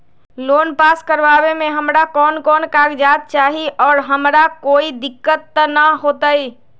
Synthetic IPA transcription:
lonpaskəɾʋabemẽɦəmɾakɔːnkɔːnkaɡd͡ʒat̪̚t͡ʃaɦiʔɔːɾɦəmɾakoid̪ɪkːət̪ːənəɦot̪əj

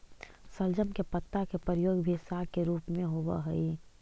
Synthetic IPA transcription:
səld͡ʒəmkepət̪ːakepɾəɾəjoːɡbʱisakeɾuːpmẽɦobə̰ɦəi

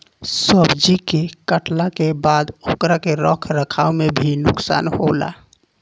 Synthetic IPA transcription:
səbd͡ʒikekəʈlakebad̪okɾakeɾəkʰɾəkʰawmebʱinuksa̰nhola̰

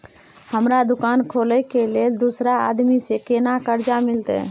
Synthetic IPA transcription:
həmɾad̪ʊkankʰoləjkeleld̪usɾa̰ːd̪misekenakəɾd͡ʒamɪlt̪ɛ̰

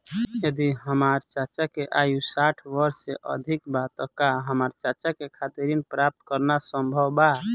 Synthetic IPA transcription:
jəd̪iɦəmaɾt͡ʃat͡ʃakeʔajusaʈʰʋəɾsːeʔə̰d̪ʱikbat̪əkaɦəmaɾt͡ʃat͡ʃakekʰat̪iɾinpɾap̚t̪kəɾnasəmbʱəwba

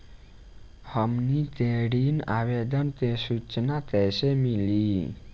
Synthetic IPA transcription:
həmnit̪eɽina̰ʋed̪ənt̪esut͡ʃnat̪ɛsemili

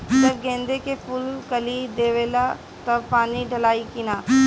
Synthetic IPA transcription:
sɐbɡẽːnd̪ekepulkɐlid̪eːʋeːla | t̪ɐpaːniɖʱɐlaːikinaː

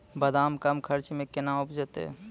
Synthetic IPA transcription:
bəd̪aːmkəmkʰəɾt͡ʃmẽkɪnaʊpd͡ʒət̪ḛ

